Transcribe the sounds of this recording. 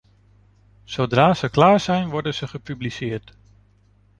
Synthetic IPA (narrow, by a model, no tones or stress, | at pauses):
sodraːz̥əklaːɹz̥ɛjnʋɔɹdənz̥əχəpyblisɪːɹt